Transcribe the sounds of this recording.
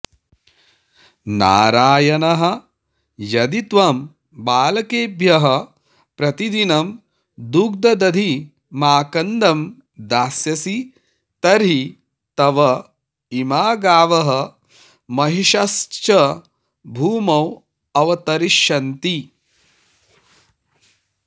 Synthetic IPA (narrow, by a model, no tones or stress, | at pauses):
na̰ːɾaːjɐnɐɦɐ̆ | jɐd̪it̪ʋɐm | baːlɐkeːbʱjɐɦɐ | pɾɐt̪id̪inɐm | d̪uk̚d̪ɐd̪ɐd̪ʱi | maːkɐnd̪ɐm | d̪aːsjɐsi | t̪ɐɾɦi | t̪ɐʋɐ | imaːɡaːʋɐɦɐ | mɐɦiʃɐst͡ʃɐ | bʱuːmɐw | ɐʋɐt̪ɐɾiʃɐnt̪i